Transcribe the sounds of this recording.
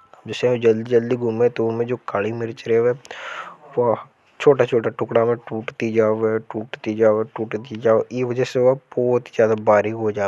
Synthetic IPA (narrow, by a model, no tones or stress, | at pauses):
d͡ʒsɛ̃od͡ʒəld̪id͡ʒəld̪iɡʱʊmẽt̪oomẽd͡ʒoːkaːlimɪɾt͡ʃəɾeʋɛ | ʋa | t͡ʃʰoːʈat͡ʃʰoːʈaʈʊkɽamẽʈuːʈd̪id͡ʒaːʋeʈuːʈt̪id͡ʒaːʈuːʈd̪id͡ʒaːiʋəd͡ʒɛseʋabɔːt̪izjaːd̪abaːɾiɡɦod͡ʒaː